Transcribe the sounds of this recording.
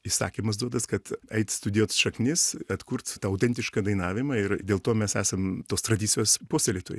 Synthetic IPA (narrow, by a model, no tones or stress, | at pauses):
isɑ̰ːkʲiːmɐsd̪uɔd̪ɐskɐt̪ɛɪt̪st̪ʊd̪ʲɪjoːt̪sʃɐknʲɪssɐt̪kuɾt̪t̪ɑːɐʊt̪ʲɛnʲt̪ʲɪʃkɑːd̪ɐɪnɑːʋʲɪmɐɪɾd̪ʲeːlˠt̪oːmʲɛsæːsɐmt̪oːst̪ɾɐd̪ʲiːsʲɪjoːspoːsʲt̪ʲɛlʲit̪o̰ːj